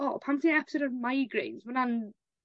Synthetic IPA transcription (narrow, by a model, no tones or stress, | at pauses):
ɔːpʰãntɪ̃ŋɛpɪ̥soʊdəvmaɪɡɹḛ̃ːnzwə̃nan